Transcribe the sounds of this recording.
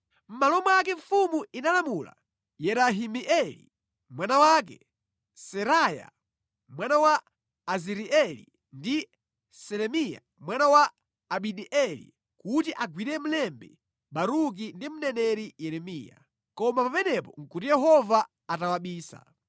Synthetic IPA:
m̩malɔmaak̬ɛɱfumuinalamula̰ | jɛɾaɦimiʔɛlḭ | mwanawak̬ɛ̰ | sɛɾaːja̰ | mwanawaː | ziɾiɛlḭ | ndi | sɛɾɛmija̰ | mwanawaː | ɓiɗiʔɛlḭ | kutiʔaɡwiɾɛm̩lɛmbɛ̰ | ɓaɾuk̬indim̩nɛnɛɾijɛɾɛmiːja̰ | kɔmapapɛnɛpɔŋ̩kutijɛɦɔva | atawaɓiːsa̰

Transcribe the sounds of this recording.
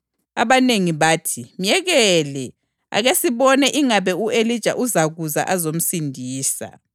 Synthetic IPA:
a̰βaneŋiβaːtʰimjɛɣɛlɛ | a̰ɣesiβɔnɛʔiŋaβɛuelid̥ʒ̥ʱa̰ʔuzaɣuza̰ʔazom̩sindʱiːsa̰

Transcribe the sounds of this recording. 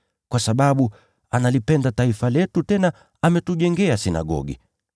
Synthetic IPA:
kwasaɓaɓu | analipɛndataifalɛtutɛna | amɛtuʄɛŋɡɛasina̰ɡɔ̰ɡḭ

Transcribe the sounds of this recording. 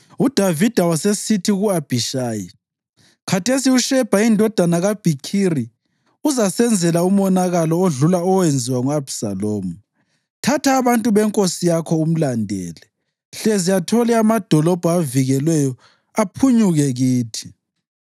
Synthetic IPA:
ud̥ʱavid̥ʱawasesitʰiɣuab̥ʱiʃaːji | kʰatʰesiuʃɛb̥ʱaindʱɔd̥ʱanaɣab̥ʱikʰiri | uzasɛnd͡zʱɛlaumɔnaɣalɔoɮulaɔwend͡zʱiwaŋuab̥sa̰loːmu | tʰatʰaːβantʼuβɛŋkʼosijakʰɔum̩landʱɛ̰ːlɛ | ɬɛzijatʰɔlɛamad̥ʱɔlɔb̥ʱɔaviɣɛlwɛjɔ | apʰuɲuɣɛɣiːtʰi̥

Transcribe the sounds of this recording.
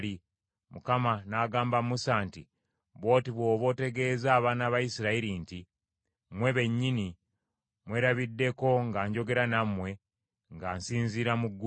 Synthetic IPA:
ɾi | mukamanaɡaːmbamusaːnti | βwo̞ːtiβwo̞ːβo̞te̞ɡe̞ːzaːβaːnaβajisiɾaiɾinti | mwe̞βe̞ɲːini | mwe̞ːɾaβidːe̞ko̞ŋɡaːɲɟo̞ɡe̞ɾanamwe̞ | ŋɡaːnsiːnziɾamuɡː

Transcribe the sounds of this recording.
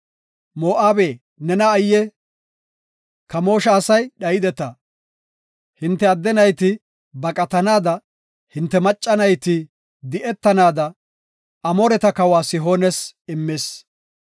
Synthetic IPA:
moːʔaːbeː | nɛnɐːjːɛ | kɐmo̞ːʃɐːsɐjɗɐjɪd̪ɛt̪ɐ | hɪnt̪ːɛɐd̪ːɛnɐjt̪ɪ | bɐkʼɐt̪ɐnaːd̪ɐ | hɪnt̪ːɛmɐt͡ʃʼːɐnɐjt̪ɪ | d̪ɪʔɛt̪ːɐnaːd̪ɐ | ɐmɔɾɛt̪ɐkɐwaːsɪɦo̞ːnɛsɪmːeːs

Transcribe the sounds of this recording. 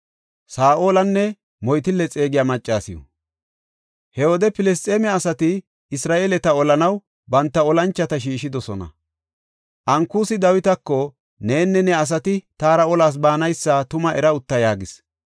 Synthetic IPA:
saːʔo̞ːlɐnːɛ | mɔjt̪ɪlːɛt͡sʼe̞ːɡɪjaːmɐt͡ʃʼːaːsɪjɔ̰ | hɛwɔd̪ɛpɪlɛs̬t̪ʼeːmɛɐsɐt̪ɪ | ɪsɾaːʔeːlɛt̪ɐɔlɐnɐw | bɐnt̪ːɐɔlɐnt͡ʃːɐt̪ɐʃ̬iːʃɪd̪ɔsɔnɐ̰ | ʔɐŋkːuːsɪd̪ɐwɪt̪ɐkːɔ | ne̞ːnːɛnɛɐs̬ɐt̪ɪt̪aːɾɐɔlaːs̬baːnɐjsːɐt̪ʊmɐʔɛɾɐʊt̪ːɐjaːɡɪs

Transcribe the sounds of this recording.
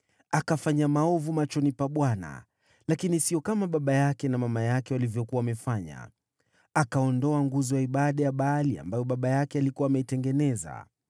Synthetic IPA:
akafaɲamaɔvumat͡ʃɔnipaɓwana̰ | lakinisiɔkamaɓaɓajakɛnamamajakɛwalivjɔkuwaːmɛfaɲa̰ | akaɔndɔaŋɡuzɔjaiɓaɗajaɓaːlia̰mbajɔɓaɓajakɛalikuwaːmɛitɛŋɡɛnɛza̰

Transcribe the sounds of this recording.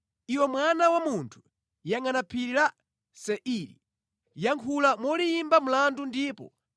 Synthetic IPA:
iwɔmwanawamuntʰu̥ | jaŋanapʰiɾiɾa | sɛʔiɾḭ | jaŋkʰulamɔliimbamulandundiːpɔ̰

